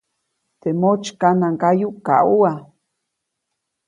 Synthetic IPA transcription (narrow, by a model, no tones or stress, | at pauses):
t̪emot͡ʃkanaŋkajuka̰ua